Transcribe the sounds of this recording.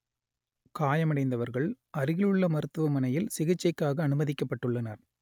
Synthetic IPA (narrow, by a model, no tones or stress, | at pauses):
kaːjɐmɐɽɐɪnd̪ɐʋɐɾɣɐɭ | ɐɾɪɣɪɭɯɭːɐmɐɾɯt̪ːɯʋɐmɐnɐjɪlsɪɣɐt͡ʃːɐɪkːaːɣɐːnɯmɐðɪkːɐpːɐʈːɯɭːɐnaːɾ